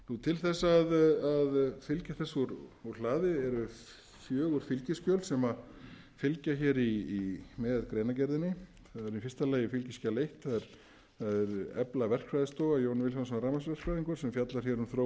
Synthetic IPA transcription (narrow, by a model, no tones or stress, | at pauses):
nut̪ʰɪlθɛsːaðaðfɪlcaθɛsuɾuɾ̥l̥aːðɪɛɾʏ | fjœːɣʏɾ̥fɪlcɪscœlsɛma | fɪlcaçɛːɾiːmɛːðkɾeːjnac̬ɛɾðɪnːɪ | θaðɛɾnifɪst̪aleːjɪfɪlcɪscalejht̪θaðɛɾ | θaðɛɾɛ̰plavɛr̥kfɾajðɪst̪oːɣajoːwnvɪlhas̬ɔnraːmas̬vɛr̥kfɾajðiŋkʏɾ̥sɛmfjat̪laɾ̥çɛɾʏmθɾoː